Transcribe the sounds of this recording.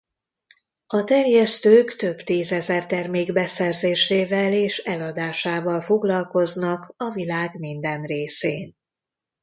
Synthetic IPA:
ɒt̪ɛrjɛst̪øːkt̪ø̞bt̪iːzɛzɛrt̪ɛrmeːɡbɛsɛrzeːʃeːvɛleːʃɛlɒd̪aːʃaːvɒlfo̞ɡlɒlko̞znɒkɒvilaːɡmind̪ɛnreːseːn

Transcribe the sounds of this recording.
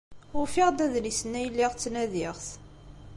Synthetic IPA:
ʊɾfiʁd̪æðlisənːæjəlːiʁt͡sːnæðɪʁθ

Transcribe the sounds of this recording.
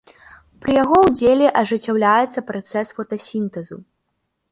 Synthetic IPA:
pɾɨjaɣɔwd͡zʲelʲɛʔɐʐɨt͡sʲːawlʲajɛt̪sːɐpɾat̪sɛsfɔt̪ɐsʲint̪ɛzu

